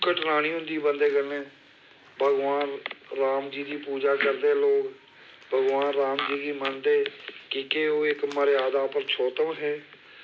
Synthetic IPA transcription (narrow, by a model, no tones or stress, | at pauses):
kəʈʰnaːɽ̃iːɦʊ̃nd̪iːbənd̪eːɡəlẽː | bʱəɡʋaːnɾaːmd͡ʒiːd̪iːpuːd͡ʒaːkəɾd̪eːloːk | bʱəɡʋaːnɾaːmd͡ʒiːd̪iːmənd̪eːkiːkeoːɪkməɾjaːd̪aːpəɾt͡ʃʰoːt̪əʋɦɛː